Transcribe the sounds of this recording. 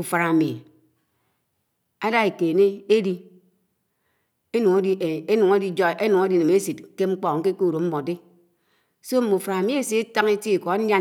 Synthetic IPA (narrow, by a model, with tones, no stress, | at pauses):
u˨fa˨a˨mi˨ | a˦da˦e˨ke˨ne˦e˦di˦ | e˦nu˨ŋo˦di˦˨e˦nu˨ŋe˦di˦d͡ʒɔ˦e˦nu˨ŋe˦di˦˨ne˨me˦si˨tke˦ŋ͡m̩˦k͡pɔ˦ŋ̩˦ke˦ko˦u˨ɾo˨m̩˦mɔ˨de˦ | so˦m̩˨mu˨fa˨ɾa˨mi˦e˨˦se˦ta˦ŋe˦ti˦i˨kɔ˨˦n̩˦ja˦